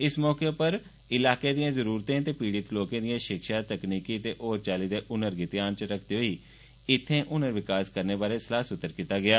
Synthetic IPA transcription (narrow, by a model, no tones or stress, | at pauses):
ɪsmɔːkepəɾ | ɪlaːkeːd̪ɪjãːzəɾuːɾt̪ẽːt̪eːpiːɽɪt̪loːkãːd̪ɪjãːʃɪkʃaːt̪əkniːkiːt̪eːʔoːɾt͡ʃaːliːd̪eːʔʊnəɾɡɪt̪ɪjaːnt͡ʃəɾəkʰd̪eːɦoiː | ɪt̪ʰːẽːʔʊnəɾʋɪkaːskəɾneːbaːɾeːsəlaːsʊt̪ːəɾkit̪aːɡɪaː